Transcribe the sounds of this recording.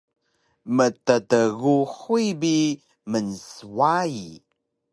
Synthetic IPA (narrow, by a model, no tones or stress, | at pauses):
mətətəɣuħuibi | mənswai